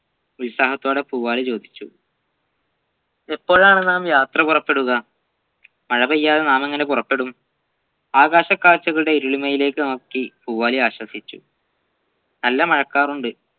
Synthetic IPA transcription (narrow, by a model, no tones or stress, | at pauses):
ulusaːhɐt̪ːoːɽe̞puːʋaːlit͡ɕo̞ːd̪ʱit͡ɕːṵ | epːo̞ːɻaːɳɨnaːmjaːt̪rɐpurɐpːe̞ɽuɣɐ | mɐɻɐbɐjːaːðenaːme̞ŋːɐnepurɐpːe̞ɽum | aːɣaːɕɐkːaːt͡ɕːɐɣɐɭuɽe̞iɾuɭimɐjile̞ːkːɨnɐukːipuːʋaːliaːɕwɐsit͡ɕːṵ | nɐlːɐmɐɻɐkːaːruɳɖɨ